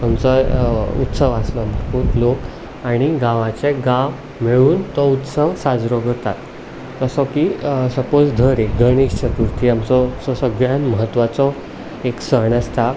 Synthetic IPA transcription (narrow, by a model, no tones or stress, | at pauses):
amt͡sɔut̪səʋaslɔməɾpuːt̪lok | aɽ̃iɡãʋãt͡seɡãʋ | meɭuːnt̪ɔut̪səʋsad͡zɾɔɡəɾt̪at̪ː | əsɔkisəpod͡zd̪ʱəɾeɡʱəɽ̃iːɕt͡ɕʰət̪uɾt̪ʰiamt͡sɔsɔsəɡɭjanməɦət̪ːʋat͡sɔ | eksəɦɳəst̪ʰa